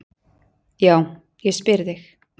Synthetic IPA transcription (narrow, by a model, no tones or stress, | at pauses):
jaːw | jɛspɪɾðɪx